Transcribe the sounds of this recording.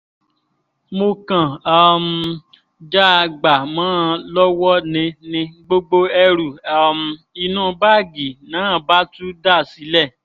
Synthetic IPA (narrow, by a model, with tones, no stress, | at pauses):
mo˧kã˨a˦˨m˧ | d͡ʒa˦˧ɡ͡ba˨mãː˨˦˧lɔ˦wɔ˦nĩ˧nĩ˧ɡ͡bo˦ɡ͡bo˧ɛ˧ɾu˨a˦˨m˧ | i˧nũ˦˨˦ba˦˨ɡi˨nã˨˦˨ba˦tu˦da˦˨si˨˦lɛ˦˨